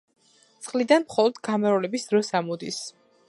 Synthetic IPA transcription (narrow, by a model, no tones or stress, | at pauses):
t̪sʰʼχlid̪anmχɔlˠɔd̪ɡamɛɾɔlɛbisd̪̥ɾɔsamɔd̪is